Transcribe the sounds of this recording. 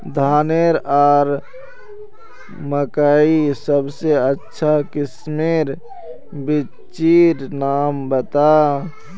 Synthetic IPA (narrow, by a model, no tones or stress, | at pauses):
d̪ʱaːneɾɔːɾ | məkaːisəbseətːʃʰakɪsmeɾ | bɪ | t͡ʃiɾnaːmbət̪a